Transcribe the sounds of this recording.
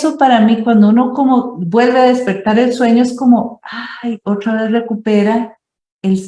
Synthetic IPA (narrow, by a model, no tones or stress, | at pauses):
sopaɾamikwand̪ouno̞komobwe̞lβe̞aðe̞spe̞ɾt̪aɾe̞lswe̞ɲoesko̞moajo̞t̪ɾaβesre̞kupeɾa | els